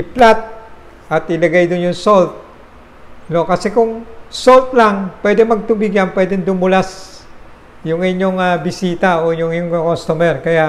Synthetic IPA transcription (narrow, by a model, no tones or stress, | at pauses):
ʔɪplat̪̚ | ʔat̪ʔɪlɐɡajd̪ʊnjʊŋsolt̪̚ | nokɐsɛkʊŋsolt̪̚laŋpwɛd̪ɛŋmɐɡ̚t̪ʊmiɡanpwɛd̪ɛŋd̪ʊmʊlas | jʊŋɪɲjoŋabɪsiːt̪aojʊŋiɲoŋkost̪omɛrkɐjaʔ